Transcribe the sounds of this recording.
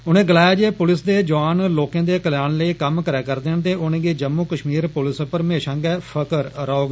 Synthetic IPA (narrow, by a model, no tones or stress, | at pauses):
ʊnẽːɡɪlaːjaːd͡ʒeːpʊlɪsd̪eːd͡ʒʊʋaːnloːkẽːd̪eːkəljaːnləiːkəmkəɾɛːkəɾd̪eːnt̪eːʔʊnẽːɡeːd͡ʒəmːuːkəʃmiːɾpʊlɪspəɾmeːʃãːɡɛːpʰəkəɾɾɔːɡ